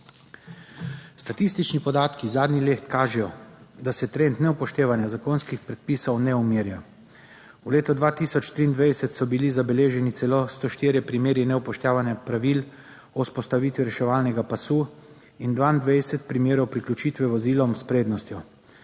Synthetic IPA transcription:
st̪at̪ist̪it͡ʃnipɔd̪aːt̪kizaːd̪nileːt̪kaːʒɛjɔd̪asɛt̪ɾent̪nɛwpɔʃt̪eːʋanjazakoːnskixpɾɛt̪̚piːsɔwnɛumiːɾja | wleːt̪ɔd̪ʋaːt̪isɔt͡ʃt̪ɾiːnd̪ʋɛjsɛt̪sɔbilizabɛleːʒɛnit̪sɛlost̪oʃt̪iːɾjɛpɾimeːɾinɛwpɔʃt̪jaːʋanjapɾaʋil | ɔuspɔst̪aʋiːt̪ʋiɾɛʃɛʋaːlnɛɡapasuː | ind̪ʋaːind̪ʋɛjsɛt̪pɾimjeːɾɔwpɾiklʲut͡ʃiːt̪ʋɛʋɔziːlɔmspɾeːd̪nɔst̪jɔ

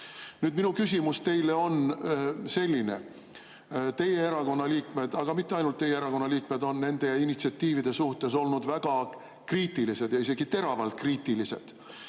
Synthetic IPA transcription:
nyːd̪minukys̬ʲimust̪e̞jle̞o̞n | se̞lʲːine̞̰ | t̪e̞je̞eɾɑko̞nːɑliːkme̞d̪̥ɑɡ̥ɑmit̪ːeɑjnult̪ːe̞jeeɾɑko̞nːɑliːk̚me̞d̪o̞nne̞nd̪̥e̞init̪siɑt̪ːiːvid̪̥e̞suht̪e̞so̞lnud̪væɡ̥ɑ | kriːt̪ːˑilise̞d̪jɑise̞ɡ̥it̪e̞ɾɑvɑlt̪̚kriːt̪ˑilise̞̰d̪̥

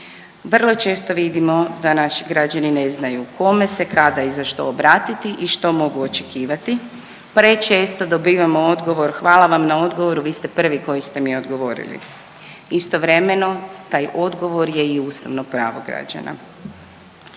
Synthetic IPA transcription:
ʋr̩lˠo̞t͡ʃe̞ːst̪o̞ʋid̪imo̞d̪anaʃi̥ɡɾad͡ʒanine̞znajukʰo̞me̞se̞kʰad̪aizaʃt̪o̞̰ːbɾaːt̪it̪iʔiʃt̪o̞mo̞ɡuot͡ʃekʰiːʋat̪i | pɾet͡ʃe̞ːst̪o̞d̪o̞biːʋamoo̞d̪ɡo̞ʋo̞ɾxʋaːlaʋamnao̞d̪ɡoʋo̞ɾuʋiːst̪e̞pr̩ʋiko̞jist̪e̞mieod̪ɡo̞ʋo̞ːɾḭlḭ | ist̪o̞ʋɾe̞me̞no̞t̪aːjʔo̞d̪ɡo̞ʋo̞ɾjeiuːst̪aʋnopɾa̰ːʋo̞ɡɾa̰d͡ʒa̰na̰

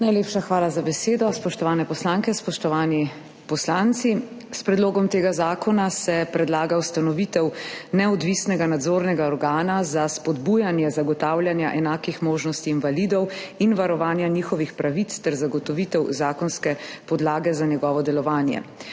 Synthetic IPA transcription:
najleːpʃaxʋaːlazabɛseːd̪ɔspɔʃt̪ɔʋaːnɛpɔslaŋkɛspɔʃt̪ɔʋaːni | pɔslant̪si | spɾɛd̪loːɡɔmt̪eːɡazaːkɔnasɛpɾɛd̪laːɡawst̪anɔʋit̪ɛwnɛɔd̪ʋisnɛɡanad̪zoːɾnɛɡaɔɾɡaːnazaspɔd̪bujanjɛzaɡɔt̪aːwljanjaʔɛnaːkixmoːʒnɔst̪iːnʋalid̪ɔwinʋaɾɔʋaːnjanixɔʋixpɾaʋit̪st̪ɛɾzaɡɔt̪ɔʋit̪ɛwzaːkɔnskɛpɔd̪laːɡɛzanɛɡɔːʋɔd̪ɛlɔʋaːnjɛ̰

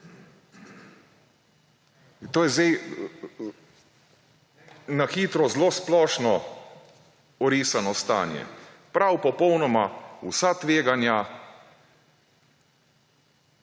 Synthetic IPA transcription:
t̪oːjɛzɛj | naxiːt̪ɾɔzloːsplɔːʃnɔ | ɔɾiːsanɔst̪a̰ːnjɛ̰ | pɾawpɔpɔwnɔmausat̪ʋeːɡanja

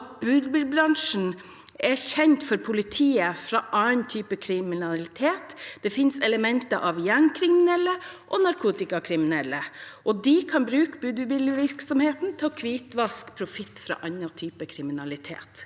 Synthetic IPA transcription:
t̪̚bʉːd̪bɪlbɾɑŋʂn̩ | ɛçɛnt̪fɔɾpʰʊlɪt̪ʰiːəfɾɑʔɑnt̪ʰyːpəkʰɾɪmɪnɑlɪt̪ʰeːt̪d̪̥ɛfɪnsɛləmɛnt̪əʔɑʋjæɳkʰɾɪmɪnɛlːəʔɔnɑɾkʰuːt̪ɪkɑkʰɾɪmɪnɛlːəʔɔd̪ɪkʰɑnbɾʉːkəbʉːd̪bɪlʋɪɾksɔmheːt̪n̩t̪ʰɑkʰʋiːt̪ʋɑskpʰɾʊfɪt̪ːfɾɑ̰ːʔɑɲɑt̪ʰyːpəkʰɾɪmɪnɑlɪt̪ʰḛːt̪

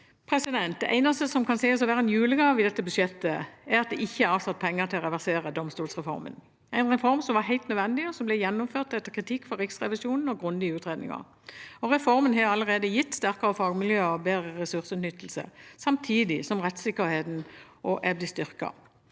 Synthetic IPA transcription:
pʰʁɛsɪd̪ɛnt̪̚d̪ɛʔæɪnɑst̪əsɔmkʰɑnsæɪɔsɔʋæːʁənjʉːləɡɑʋɪd̪ɛt̪ːəbʉʃɛt̪ːəæɾɑt̪̚d̪ɛʔɪçːəæɾɑʋsɑt̪̚ːpʰɛŋːəʁt̪ʰɪlɔʁɛʋæʁseːʁəd̪ɔmst̪uːlsʁɛfɔ̰ɾmə̰n | æɪnʁɛfɔɾmsɔmʋɑɦæɪlt̪nœʋɛnd̪ɪɔsɔmblɛjɛnːʊmføːʁt̪ɛt̪ːəkʰʁɪt̪ʰɪkːfɔɾʁɪksʁɛʋɪsjuːnn̩ɔɡʁʉnd̪ɪəʉːt̪ʁeːd̪nɪ̰ŋɑ̰ʁ | ɔʁɛfɔʁmənɦɑɑlːəʁeːd̪əjɪt̪ːst̪æʁkəʁəfɑːɡmɪljøːɔbeːdʁəʁɛsʉʁsʉːt̪nʏt̪ːlsə̰sɑmt̪ʰiːd̪ɪsɔmʁɛt̪sɪkːəɾheːt̪n̩ʔɔʔɛblɪst̪ʏʁkɑ̰

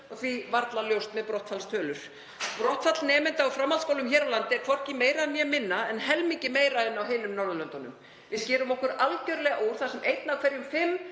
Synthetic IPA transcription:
ɔθvivaɾt̪laljowst̪mɛðpɾɔht̪falst̪ʰœːlʏɾ̥ | pɾɔht̪fat̪lnɛːmɪnt̪awfɾamːalskowlʏmçɛːɾawlant̪ɪɛkʰvɔr̥cɪmeːjɾaɛnjɛmɪnːaɛnɦɛlmiɲcɪmeːjɾaɛnawɦɪːnʏmnɔɾðalœnt̪ɔnːʏ̰m | vɪðscɛːɾʏmɔhkʏɾalcœɾlɛɣaʔoːwɾ̥θasɛmʔejt̪nawkʰvɛɾjʏmfɪm

